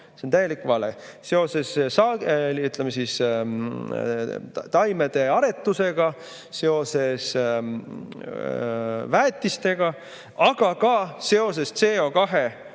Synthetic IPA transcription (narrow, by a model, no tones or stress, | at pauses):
sent̪æje̞likːvɑlḛse̞o̞se̞ssɑlyt̪ˑlemesis | t̪ɑjme̞d̪̥e̞ɑɾe̞t̪ːˑuse̞ɡ̥ɑ | se̞o̞se̞s | væːt̪ːˑist̪e̞ɡ̥ɑ | ʔɑɡ̥ɑkɑse̞o̞se̞st̪se̞ːokɑɦe̞